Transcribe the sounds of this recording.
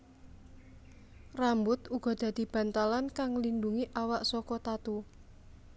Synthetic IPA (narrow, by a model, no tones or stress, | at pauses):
rambʊt̪uɡ̥ɔ̤d̪̥ä̤d̪̥i̤b̥a̤nt̪alankaŋlinduŋiʔawaʔsɔkɔt̪at̪u